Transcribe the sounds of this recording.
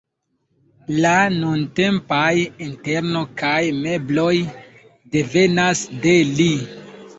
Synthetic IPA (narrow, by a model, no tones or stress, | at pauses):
lanunte̞mpajinte̞ɾno̞kajme̞blo̞j | de̞ve̞nasdeli